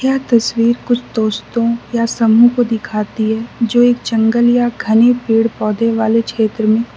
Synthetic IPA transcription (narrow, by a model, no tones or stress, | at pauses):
kjaːɦt̪ɐswiːɾkʊt͡ʃʰt̪oːst̪õjasɐmũkod̪ɪkʰaːt̪iɦɛd͡ʒoːeːkt͡ʃɐ̃ŋɡəljaɡʱɐnepiːɽpɔːd̪eʋaːlekʃeːt̪ɾəmẽː